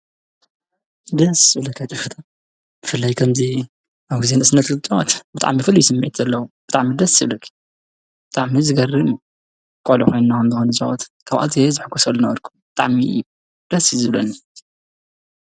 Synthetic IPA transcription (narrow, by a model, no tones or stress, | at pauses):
d̪ɐsblɐkʰat͡ʃ̪ʼɨfɨt̪ʰɐ | b̥ɨfɨlːajkʰɐmzi | ʔaβɡizenɨsnːɐt̪ɡɨt̪ʼwa̰t̪bɨt̪ʼa̰ʕmifɨlːijsɨmːiʕt̪ʰɐlːɐwubɨt̪ʼaʕmid̪ɐsɨβlɐkʰ | bɨt̪ʼaʕmizɨɡɐrɨm | kʼolikʰo̞jnnakʰɐmzɨxonɨza̰wɔt̪kʰaβʔa̰lt̪ʰiezɨħɨɡʰusɐlːunɐwɐɾkʰu̥mbɨt̪ʼa̰ʕmḭ | d̪̥ɐsizɨβlɐ̰ni